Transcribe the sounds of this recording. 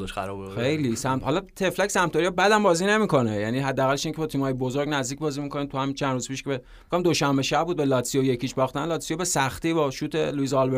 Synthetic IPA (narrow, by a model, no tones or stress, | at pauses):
ʃæɾɒbxe̞jlisæmt̪hɒlɒt̪ʰe̞flæksæmt̪ʰɒɾiɒbæd̪æmbɒːzine̞mikʰo̞nejæniːɦæd̪ːæːɣælːeʃiŋcʰeɒt̪ʰimhɒːjebozoɾɡnæzd̪ic̚bɒːzimikʰoniːmt̪uhæmit͡ʃʰænd̪ɾuzpʰiʃkebe | ɡoimd̪oʃæmbeʃæb̚bud̪be̞lɒt̪sijojecʰiːd͡ʒbɒːχt̪ænlɒt̪sijobesæxt̪iːbɒʃuːt̪ʰḛluizɒlbe